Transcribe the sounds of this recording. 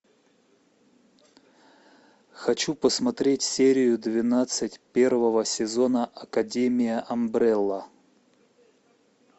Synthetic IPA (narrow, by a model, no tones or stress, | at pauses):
xɐt͡ɕupəsmɐt̪ɾʲetʲsʲeɾʲɪjʊd̪vʲɪnat̪sɨtʲpʲe̞rvəvəsʲɪzo̞nəʔɐkɐdʲemʲɪjəʔɐmbɾɛlˠːə